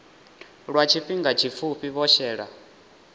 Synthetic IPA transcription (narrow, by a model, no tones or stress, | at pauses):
ɺwat͡ʃʰiɸiŋɡat͡ʃʰip̪fʰuɸiβɔʃɛːɺa̰